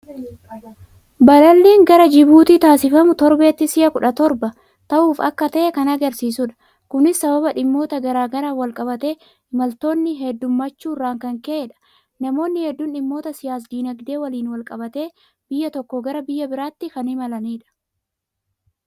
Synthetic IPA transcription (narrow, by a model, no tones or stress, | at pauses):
bɐlɐlːeːŋɡɐɾɐd͡ʒɪbuːt̪iːt̪aːsɪfɐmʊt̪ɔɾbe̞ːt̪ːɪsɪʔɐkʊᶑɐt̪ɔɾbɐ | t̪ɐʔuːfɐ̰kːɐt̪ɐʔɛkɐnɐɡɐɾsiːsʊᶑɐ̥ | kʊnɪsːɐbɐbɐᶑɪmːo̞ːt̪ɐɡɐɾaːɡɐɾaːwɐlkʼɐbɐt̪e̞ː | ɪmɐlt̪o̞ːnːɪɦɛd̪ːʊmːɐt͡ʃːuːrːaːŋkɐŋkeᶑɐ̥ | nɐmo̞ːnːɪhɛd̪ːʊnᶑɪmːo̞ːt̪ɐsɪjaːs̬d̪iːnɐɡd̪e̞ːwɐliːnwɐlkʼɐbɐt̪e̞ː | b̥ɪjːɐt̪ɔkːɔɡɐɾɐbɪjːɐbɪɾaːt̪ːɪkɐnɪmɐlɐniːᶑɐ̥